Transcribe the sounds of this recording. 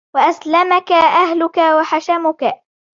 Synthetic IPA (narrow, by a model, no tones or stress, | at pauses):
waʔaslamakaʔahlʊkawaħaʃamʊka